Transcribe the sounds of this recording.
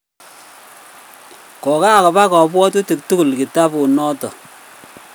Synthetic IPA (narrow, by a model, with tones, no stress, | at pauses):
kɔ˨ka˦˨kɔ˨pa˦kɔ˨pwɔ˦tu˦ti˨k̚tu˦ku˨lki˨ta˦pu˨nɔ˦tɔ̰˨